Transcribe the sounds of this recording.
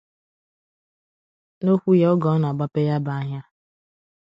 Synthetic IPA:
no˦kʷu˦je˦ɔ˦ɡɔ˨˦n˨a˨ɡ͡ba˦pe˦ja˦ba˨a˦ɦa˦

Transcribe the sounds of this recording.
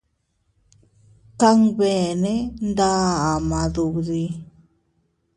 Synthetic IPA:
ka˦ŋβe˨nẽ˦nd̪a˦a˨mã˨ðu˨ði˧

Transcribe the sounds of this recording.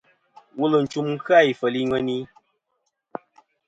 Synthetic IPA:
wu˦lə˨n̩˨t͡ʃu˨mŋ̩˦kɨ˦a˦˨i˨fə˨li˦ŋə˦ni˦

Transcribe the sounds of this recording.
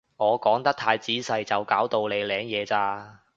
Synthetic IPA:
ŋɔː˨˧kɔː˨˥ŋt̪ɐ˥k̚t̪ʰaː˧jt͡siː˨˥sɐ˨˧jt͡sɐ˨wkaː˨˥wt̪o˨˧wle˨˧jlɛː˨˧ŋjɛː˨˧t͡saː˧

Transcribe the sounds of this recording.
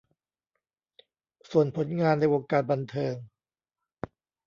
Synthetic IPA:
su˨˩ənpʰo˩˦nŋaː˧nːa˧jʔoː˧ŋkaː˧˩t̪̚ba˧nt̪ʰɤː˧ŋ

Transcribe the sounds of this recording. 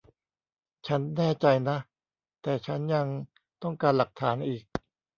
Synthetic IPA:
t͡ɕʰa˦˥nːɛː˥˩t͡ɕa˧jna˦˥ʔ | t̪ɛː˨˩t͡ɕʰa˦˥nja˧ŋ | t̪ɔ˥˩ŋkaː˧nla˨˩k̚t̪ʰaː˩˦nʔiː˨˩k̚

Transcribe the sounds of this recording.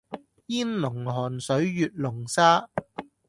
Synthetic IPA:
jiː˥nlʊ˨˩ŋɦɔː˨˩nsɵ˨˥ɥjyː˨t̚lʊ˨˩ŋsaː˥

